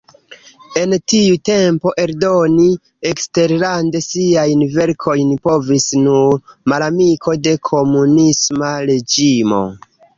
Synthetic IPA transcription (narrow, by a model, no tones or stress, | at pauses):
e̞ntiute̞mpo̞ʔe̞ɾdo̞ni | ekste̞ɾlande̞siajnve̞ɾkʰo̞jnpo̞visnuɾmalamiko̞de̞kʰo̞munismaɾe̞d͡ʒimo̞̰